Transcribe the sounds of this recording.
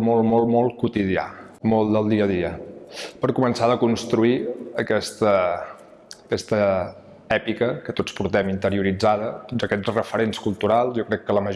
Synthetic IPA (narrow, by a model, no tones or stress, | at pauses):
mɔlˠmɔlˠmɔlˠkut̪iðia̰mɔlˠd̪əlˠd̪iəðiəpəɾkumənsaðəkunst̪ɾuiəkɛst̪əː | kɛst̪ə | ɛpikəkət̪ot͡sspuɾt̪ɛmint̪əɾiuɾid͡zaðət̪od͡zəkɛt͡srəfəɾenskulˠt̪uɾalˠzjɔkɾɛkːələməʒ